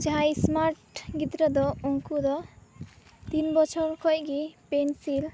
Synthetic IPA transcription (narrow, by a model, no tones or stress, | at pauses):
d͡ʒʱajsmaɾʈɡit̪ɾʌd̪ɔɔŋkud̪ɔ | t̪inbɔt͡ʃʰʌɾkʰʌjɡipensil